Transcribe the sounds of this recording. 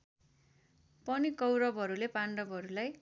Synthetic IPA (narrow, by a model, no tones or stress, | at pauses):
pʌnikʌwɾʌbʱɦʌɾulepaɳɖʌbɦʌɾulaj